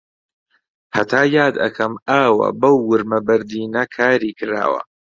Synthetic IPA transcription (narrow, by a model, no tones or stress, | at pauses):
hɐt̪ʰaːjaːd̪ɐ̰kʰɐmaːwɐ̰bɐwːʊɾmɐbɐɾd̪iːnɐkʰaːɾiːkɨɾa̰ːwɐ̰